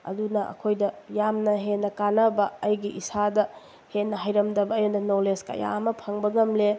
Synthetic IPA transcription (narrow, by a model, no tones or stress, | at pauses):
ɐ̰dunɐʔɐ̰kʰojdɐjamnɐɦenːɐkanɐbɐːjɡiʔisadɐ | henːɐɦajɾɐmdɐbɐːjɐnɐnowleska̰ja̰mɐpʰɐŋbɐɡɐmle